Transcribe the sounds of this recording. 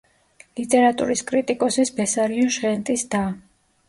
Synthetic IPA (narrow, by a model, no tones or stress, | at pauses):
lit̪ʼɛɾat̪ʼṵɾiskʼɾit̪ʼikʼɔsisbɛsaɾiɔʃʁɛnt̪ʼisd̪a